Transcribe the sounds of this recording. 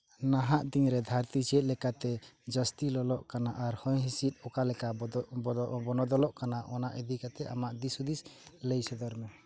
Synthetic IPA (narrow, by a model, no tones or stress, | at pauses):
naɦaʔt̪iŋɾɛd̪ʱaɾt̪it͡ʃɛt̪̚lɛkat̪ɛd͡ʒəst̪ilɔlɔʔkanaʔaɾhɔjɦisit̪̚ˀɔkalɛka | bɔnɔd̪ɔlɔʔkanaʔɔnaʔid̪ikat̪ɛʔamaʔd̪isud̪isləjsɛd̪ɔɾmɛ